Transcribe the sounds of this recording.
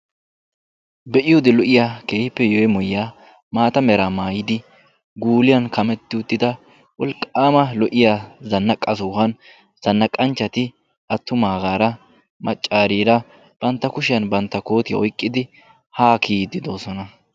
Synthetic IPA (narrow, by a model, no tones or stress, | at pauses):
bɛʔɪjɔd̪ɪlɔʔɪjakeːhɪpːɛjɔjɛmʊjaː | maːt̪ɐmɛɾamaːjɪd̪ɪ | ɡuːlɪjɐnkɐmɛt̪ːɪʊt̪ːɪd̪ɐ | wɔlkʼːaːmɐlɔʔɪjaːzɐnːɐkʼːɐs̬ɔhɐn | z̥ɐnːɐkʼːɐnt͡ʃːɐt̪ɪ | ʔɐt̪ːʊmaːɡaːɾɐ | mɐt͡ʃʼːaːɾiːɾɐ | b̥ɐnt̪ːɐkʊʃɪjɐnbɐnt̪ːɐko̞ːt̪ɪjɐ̰ʔɔjkʼːɪd̪ɪ | haːkʰiːd̪ːɪd̪o̞ːsɔnɐ